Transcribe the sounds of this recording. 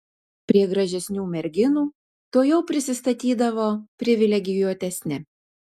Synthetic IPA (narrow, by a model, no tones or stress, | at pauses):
pʲɾʲiɛɡɾɐʒʲɛsʲnʲuːmʲɛɾʲɡʲɪnuː | t̪oːjɛʊpʲɾʲɪsʲɪst̪ɐt̪ʲiːd̪ɐʋoːpʲɾʲɪʋʲɪlʲɛɡʲɪjuːt̪ʲɛsʲnʲɪ